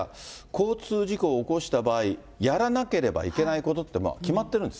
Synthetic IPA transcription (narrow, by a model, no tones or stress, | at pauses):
kʰo̞ːt͡sɨːʑiko̞ːko̞ɕi̥t̪abaːi | jaɾanake̞ɾe̞ba̰ḭke̞naiko̞t̪o̞t̪ːe̞mo̰kʲimat̪ːe̞ɾɯ̟̃nd̪e